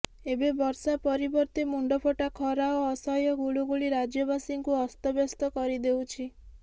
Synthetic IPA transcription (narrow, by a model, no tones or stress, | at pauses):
ebebɔɾsapɔɾibɔɾt̪imuɳɖɔpʰoʈakʰɔɾaoːsɔjɔɡuɭuɡuɭiɾad͡ʒjɔbasiŋkuɔst̪ɔbjɔst̪ɔkɔɾid̪ewt͡ʃʰi